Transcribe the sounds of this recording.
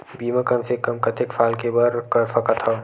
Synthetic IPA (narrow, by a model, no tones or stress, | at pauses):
biːmãkɐmsekɐmkɐt̪ɪkfʰaːlkebɐɾkɐɾfʰɐkɐt̪ʰa